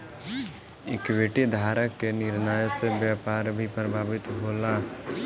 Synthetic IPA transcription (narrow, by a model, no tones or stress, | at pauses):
ɪ̰kʋeːʈid̪ʱaːɾəkːenɪɾnaːjsebjaːpaːɾbʱipɾəbʱaːʋɪt̪ɦoːlaː